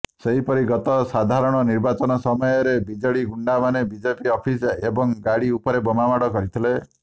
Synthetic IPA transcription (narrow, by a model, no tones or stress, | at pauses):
seɦipɔɾiɡɔt̪ɔsad̪ʱaɾɔɽ̃ɔniɾbat͡ʃɔnɔsɔmɔjɔɾebid͡ʒɔɽiɡuɳɖamanebid͡ʒepiɔpʰisebɔŋɡaɽiupɔɾebɔmamaɽɔkɔɾit̪ʰile